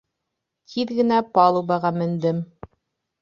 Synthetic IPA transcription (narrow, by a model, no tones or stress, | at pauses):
t̪ʰiðɡɘ̆næpɑlˠubɑʁɑmɘ̆nd̪ɘm